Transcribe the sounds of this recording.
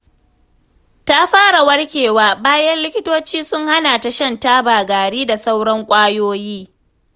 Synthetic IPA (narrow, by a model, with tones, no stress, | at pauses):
ta˦ɸaː˦ɽa˨wɐ˦ɽkʲeː˨waː˦baː˦jɐ˦nlɪ˦kʲɪ˦toː˦t͡ʃiː˦sʊ˦ŋha˦na˨ta˨ʃɐ˦˨nta˦baː˨ɡaː˨ɽiː˦da˨sa˦wɽɐ˦ŋkʷʼaː˦joː˦jiː˦